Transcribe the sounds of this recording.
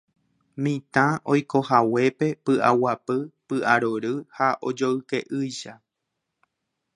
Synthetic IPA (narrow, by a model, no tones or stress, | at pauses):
mĩt̪ão̞jko̞hawe̞pe̞pɨʔawapɨpɨʔaɾoɾɨhaʔod͡ʒoɨke̞ʔɨjʃa